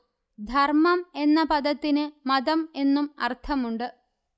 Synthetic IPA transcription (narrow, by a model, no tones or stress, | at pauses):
d̪ʱɐrmɐme̞nːɐpɐd̪ɐt̪ːinɨmɐd̪ɐme̞nːumɐ̰rt̪ʰɐmuɳɖɨ